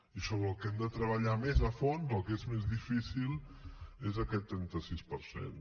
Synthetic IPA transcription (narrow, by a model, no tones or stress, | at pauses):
isoβɾəlˠkɛmd̪ət̪ɾəβəʎamezəfonzəlˠkezmezðifisilˠ | ezəkɛt̪ːɾɛnt̪əsispəɾsḛn